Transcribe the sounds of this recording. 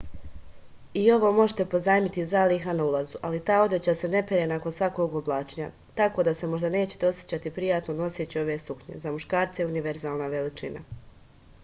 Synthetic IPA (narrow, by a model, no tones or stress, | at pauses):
io̞ʋo̞ːmo̞ʒet̪epo̞zaːjmit̪izalixanaulˠazuʔalit̪aːo̞d̪jet͡ɕase̞ne̞peɾenakonsʋako̞ɡoblˠaːt͡ʃiɲa̰ | t̪ako̞ːd̪ase̞mo̞ʒd̪ane̞ːt͡ɕe̥t̪eo̞sje̥t͡ɕat̪ipɾijaːt̪nono̞set͡ɕio̞ʋe̞suxɲe̞̰zamuʃkaːɾt̪sejuniʋeɾzaːlˠnaʋe̞lit͡ʃḭna̰